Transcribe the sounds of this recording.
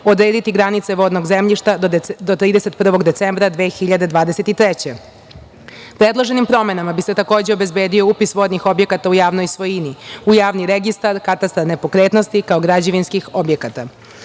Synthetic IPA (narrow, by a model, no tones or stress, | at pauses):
o̞d̪ɾeːd̪it̪iɡɾanit̪se̞ʋod̪noɡzemʎiʃt̪ad̪ot̪ɾiːd̪e̞se̞t̪̚pr̩ʋo̞ɡd̪e̞t̪sembɾad̪ʋe̞ːxiʎad̪e̞d̪ʋaːd̪eset̪it̪ɾet͡ɕe | pɾed̪lˠoʒenimpɾo̞me̞namabiset̪ako̞ːd͡ʑeobe̞zbe̞ːd̪io̞upisʋo̞d̪nixo̞bje̞kat̪aujaːʋno̞jsʋo̞jiniujaːʋniɾeɡist̪aɾkat̪ast̪ɾaɾne̞po̞kɾet̪no̞st̪ikao̞ɡɾad͡ʑeʋinskixobje̞kat̪a